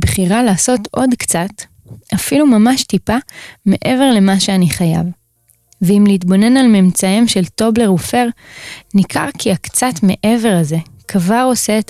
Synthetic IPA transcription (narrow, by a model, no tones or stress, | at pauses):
bχiʁalaːso̞tʔo̞dkt͡sat | afilumamaʃtipame̞ʔe̞ve̞ʁle̞maʃeaniχaja̰v | veimliːt̪bo̞ne̞nalmemt͡saimʃe̞lto̞ble̞ʁufe̞ʁnikʰa̰ʁkʰiakt͡satme̞ʔe̞ve̞ʁaze̞ | kʰvaʁo̞seːt